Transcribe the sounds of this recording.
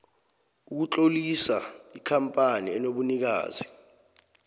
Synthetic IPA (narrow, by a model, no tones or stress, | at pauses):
uk̬ut͡ɬʼolisaikʰampʼaniɛnoɓunik̬a̰ːzi